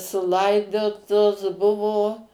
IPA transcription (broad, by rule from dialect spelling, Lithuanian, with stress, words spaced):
sʊˈlˠɐɪdoːtoːs ˈbʊʋoː